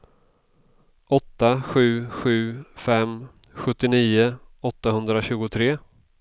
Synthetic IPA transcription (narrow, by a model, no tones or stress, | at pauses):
ɔt̪ːaɧʉ̟ːɧʉ̟ːfɛm | ɧɵt̪ːɪniːʊɔt̪ːahɵnd̪ɾaɕʉ̟ːɡʊt̪ʰɾeː